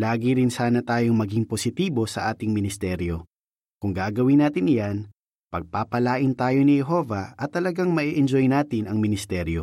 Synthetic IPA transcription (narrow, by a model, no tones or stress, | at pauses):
laːɡiɾɪnsaːnɐt̪aːjo̞ŋmɐɡiŋposɪt̪iːbo̞sɐ̰ʔaːt̪ɪŋmɪnɪst̪ɛɾjo̞ | kʊŋɡaːɡɐwɪnaːt̪ɪnɪjan | pɐɡ̚paːpɐlaːʔɪnt̪aːjo̞nɪhɛɦo̞vɐʔɐt̪ːɐlɐɡaŋmɐʔiʔɛnd͡ʒojnaːt̪ɪnɐŋmɪnɪst̪ɛɾjo̞